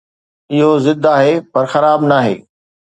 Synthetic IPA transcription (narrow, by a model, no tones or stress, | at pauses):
ɪɦozɪd̪ʱaːɦepɐɾxɐɾaːbnaːɦḛː